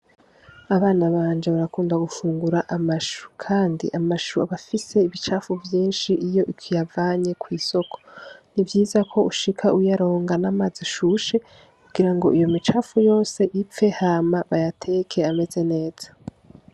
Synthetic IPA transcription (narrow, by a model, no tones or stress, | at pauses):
aβaːnaβaːnd͡ʒeβaɾakuːndaɡufuːŋɡuɾaʔamaʃu̥kʰaːndḭʔamaʃuaβafise̞iβit͡ʃaːfuvjiːnʃiʔijo̞ʔikwijavaːɲe̞kwiːso̞kʰo̞̥nivjiːzakʰo̞uʃikʰaʔujaɾo̞ːŋɡanaːmaziʃuʃe̞ | kuɡiɾaŋɡo̞ijo̞mit͡ʃaːfujo̞ːse̞ʔip͡fe̞haːmaβajatʰe̞kʰe̞ame̞ze̞ne̞ːz̥ḁ